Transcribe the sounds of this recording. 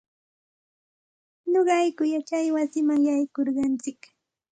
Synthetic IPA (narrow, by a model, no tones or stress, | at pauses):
ɲoɢɑjkʊjat͡ʃajwasɪmaŋjajkoɾɢɑnt͡sɪk